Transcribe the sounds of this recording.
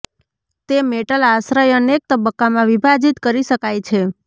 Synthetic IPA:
t̪emeʈəlaʃɾəjənek̚t̪əbəkːamãʋibʱad͡ʒit̪kəɾiʃəkajt͡ʃʰe

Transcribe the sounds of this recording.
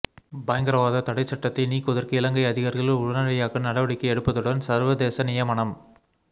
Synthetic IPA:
bɐːjɐŋɡɐɾɐʋaːðɐt̪ɐɽɐɪt͡ʃːɐʈːɐt̪ːɐɪniːkːɔðɐɾkɐɪlɐŋɡɐɪɐðɪɣaːɾɣɐɭɪlʊɻɐnɐɭɐjaːkɐnɐɽɐʋɐɽɪkːɐɛɽɯpːɐðɯɽɐnsɐɾʋɐðeːsɐnɪjɐmɐɳɐm

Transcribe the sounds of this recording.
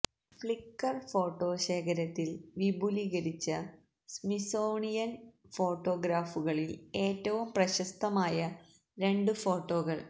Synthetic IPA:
fɭikːɐrfo̞ːʈːo̞ːɕe̞ːkʰɐɾɐt̪ːilʋibʱuliɣɐɾit͡ɕːɐ | smisoːɳijɐnfo̞ːʈːo̞ːɡɾaːfuɣɐɭile̞ːtːɐʋumprɐɕɐst̪ɐmaːjɐ | ɾe̞ɳɖɨfo̞ːʈːo̞ːɣɐɭ

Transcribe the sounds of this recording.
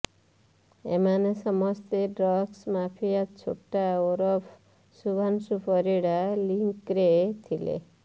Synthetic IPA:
ḛmanesɔmɔst̪eɖɾɔɡsmapʰijat͡ʃʰoʈaoɾɔpʰ | subʱansupɔɾiɽaliŋkɾet̪ʰilḛ

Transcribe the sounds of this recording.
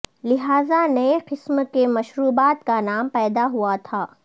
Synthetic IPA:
lɪɦaːzanɐeqɪsmkemɐʃɾuːbaːt̪kanaːmpɛːd̪aɦuat̪ʰaː

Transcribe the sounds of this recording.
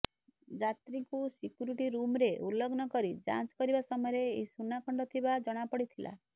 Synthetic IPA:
d͡ʒat̪ɾikusikjuɾiʈiɾumɾeʔulɔɡnɔkɔɾid͡ʒa̰t͡ʃkɔɾibasɔmɔjɔɾeːisunakʰɔɳɖɔt̪ʰibad͡ʒɔɽ̃apɔɽit̪ʰilʔa̰

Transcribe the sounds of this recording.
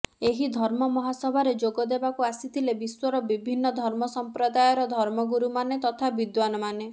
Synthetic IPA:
eɦid̪ʱɔɾmɔmɔɦasɔbʱaɾed͡ʒoɡɔd̪ebakuasit̪ʰilebiswɔɾɔbibʱinːɔd̪ʱɔɾmɔsɔmpɾɔd̪ajɔɾɔd̪ʱɔɾmɔɡuɾumanet̪ɔt̪ʰabid̪wanɔmane

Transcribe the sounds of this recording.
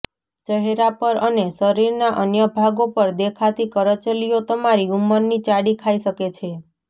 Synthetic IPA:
t͡ʃəɦeɾapəɾəneʃəɾiɾnaʔənjəbʱaɡopəɾd̪ekʰat̪ikəɾət͡ʃəlijot̪əmaɾiuməɾnit͡ʃaɽikʰaiʃəket͡ʃʰe

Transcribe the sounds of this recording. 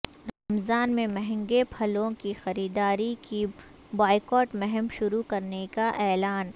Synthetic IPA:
ɾamzaːnmẽmɛɦɛ̃ŋɡepʰɐlõkixɐɾiːd̪aːɾiki | baːɪkɔːʈmɛɦɛmʃʊɾukɐɾnekaʔɛːlaːn

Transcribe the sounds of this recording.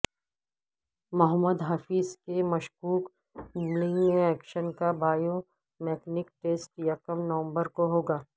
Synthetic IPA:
mɐɦəmːəd̪ɦaːfiːzkemɐʃkuːk | mulɪ̃ŋɡmẽɛːkʃənkabaːjo | mɛːknɪkʈeːsʈjakəmnɐʋə̃mbəɾkoɦoːɡaː

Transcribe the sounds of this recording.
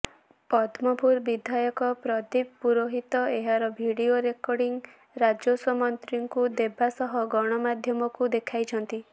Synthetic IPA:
pɔd̪ʰʱmɔpuɾbid̪ʱajɔkɔpɾɔd̪ib̚puɾoɦit̪ɔeɦaɾɔbʱiɽioɾekɔɾɽiŋ | ɾad͡ʒoswɔmɔnt̪ɾiŋkud̪ebasɔɦɔɡɔɽ̃ɔmad̪ʱjɔmɔkud̪ekʰajt͡ʃʰɔnt̪i

